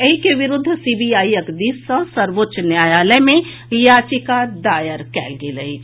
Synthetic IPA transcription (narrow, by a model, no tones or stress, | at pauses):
ɐikeʋɪɾʊd̪ʱːsibijaːiəkd̪isə̃sɐɾʋotːʃnjaːjaːləjmẽ | jaːt͡ʃikad̪aːjəɾkɛ̰ːlɡeləi